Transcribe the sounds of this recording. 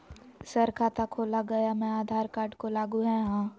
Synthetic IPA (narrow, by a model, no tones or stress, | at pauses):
səɾkʰaːt̪akʰoːlaɡɐjamɛ̃aːd̪ʱaːɾkaːɾɖkolaːɡuɦɛ̃ɦãː